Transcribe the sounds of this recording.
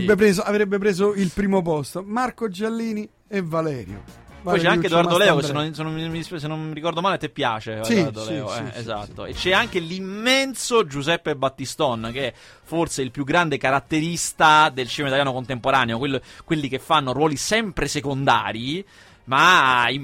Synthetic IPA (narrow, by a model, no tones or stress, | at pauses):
ep̬ɾeːzoavɾebːepɾeːzoilpɾiːmop̬ɔst̪omarkod͡ʒelːiːni | evalɛːɾjo̰ | pɔjt͡ʃɛaŋked̪oard̪olɛːokesenːonsenomimiissenːommiɾikɔrd̪omaːlet̪epːja̰ːt͡ʃesiard̪olːoɛḛza̰t̪ːo̰ḛt͡ʃɛaŋk̟elimːɛnsod͡ʒuzɛpːebat̪ːist̪ɔnk̟eɛ | forseilpjuɡːɾand̪ekaɾat̪ːeɾist̪ad̪elt͡ʃiːmait̪aljanokont̪empoɾaːneokwelːokwelːik̟efːanːoɾwɔːlisɛmpɾesekond̪a̰ːɾi | mai